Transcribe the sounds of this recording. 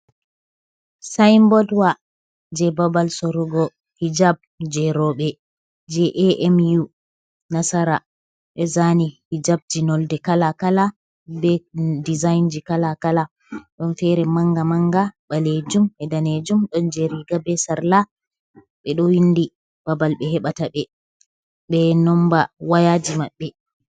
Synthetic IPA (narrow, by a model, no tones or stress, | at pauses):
sajmbɔdwa | d͡ʒɛbabalsɔɾuɡɔ | hid͡ʒab̚d͡ʒɛɾɔɓɛ | d͡ʒɛʔɛʔɛmju | nasaɾa | ɓɛzanihid͡ʒab̚d͡ʒinɔldɛkalakala | bɛdizajnd͡ʒikalakala | ɗɔnfɛɾɛmaŋɡamaŋɡaɓaled͡ʒumɛdaned͡ʒumɗɔnd͡ʒɛɾiɡabɛsaɾla | ɓɛɗɔwindi | b̥abalɓɛhɛɓataɓɛ | ɓɛnɔmbawajad͡ʒimaɓːɛ